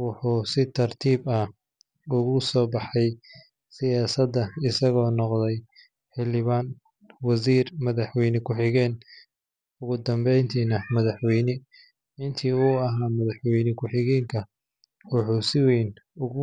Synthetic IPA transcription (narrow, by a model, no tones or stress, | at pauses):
wʊħuːsɪt̪ʰɐrt̪ʰiːbɐ | ʊɣʊsɔːbɑħɛj | sɪjaːsɐd̪ːɐɪsɐɣɔːnɔqðɛj | ħɪlɪβaːn | wɐsiːrmɐðɐħwɛjnɪkʰʊħɪɣɛːn | ʊɣʊd̪ɐmbɛjnt̪ʰiːnɐmɐðɐħwɛjnɪ | ɪnt̪ʰiːʊːɐɦaːmɐðɐħwɛjnɪkʰʊħɪɣɛːŋkʰɐ | wʊħuːsɪwɛjn | ʊɣʊ